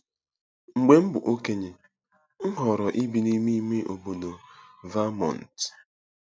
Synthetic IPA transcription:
ŋ͡m̩˨ɡ͡be˦m̩˦bʊ̰˨ʔo˦ke˦ɲe˨ | ŋ̩˦ɦɔ˨ɾɔ˨ʔi˦bi˨ni˦mi˦me˦ʔo˨bo˨do˨va˦mɔ̰˨n̩˨t

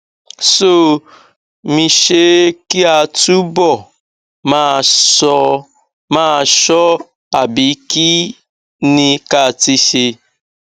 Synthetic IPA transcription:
so˦˨ | mĩ˨ʃe˦ki˦a˨tu˦bɔ˦˨ | ma˦˨sɔ˦ | ma˦˨ʃɔ˦ | a˨bi˨˦ki˦ | ni˦ka˦˨ti˦ʃe˧

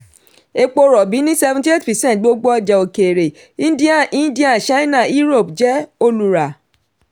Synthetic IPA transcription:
e˧k͡po˧ɾɔ˨bi˨˦nĩ˦sɛ˧vũ˦ti˦e˦˨tpɛ˨sɛ̃˦˨t̚ɡ͡bo˦ɡ͡bo˦ɔ˧d͡ʒɛ˨o˨ke˨ɾe˨ | ĩ˦di˦a˦˨ĩ˦di˦ã˦˨ʃa˦nã˦˨i˦ɾo˦˨pd͡ʒɛ˨˦o˧lu˨ɾa˨

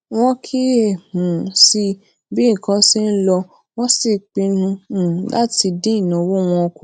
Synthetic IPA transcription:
w̃ɔ̃˧kʰi˦e˦˨mũ˨si˧ | bi˦˨kã˨˧si˦˧n̩˦lɔ˧ | wɔ̃˦si˦˨k͡pi˧nũ˧˦˨la̰˦ti˧dĩ˦i˦˨nã˨wo˦w̃ɔ̃˧o˧ku˨

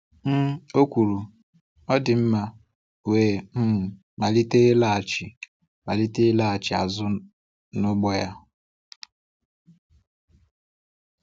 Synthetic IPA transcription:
m̩˦o˦kʷu˨ɾu˨ | ɔ˦dɪ˨m̩˦ma˦ | weː˨m̩˦m̩˨ | ma˨li˦te˦la˦a˨t͡ʃɪ˨ | ma˨li˦te˦la˦a˨t͡ʃɪ˨a̰˨zʊ˦ | nʊ˦ɡ͡bɔ˦ja˦

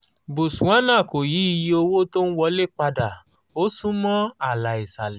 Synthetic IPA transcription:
bo˨sũ˨ã˦nã˦˨ko˨ji˨˦i˨˧ji˧˦o˧wo˦to˦n̩˦wɔ˧˦le˦k͡pa˧da˨ | o˦sũ˦mɔ̃˦a˨la˨i˨sa˨l

